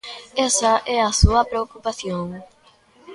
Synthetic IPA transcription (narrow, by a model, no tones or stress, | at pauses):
ɛsɐʔɛɐsuɐpɾeokupaθjoŋ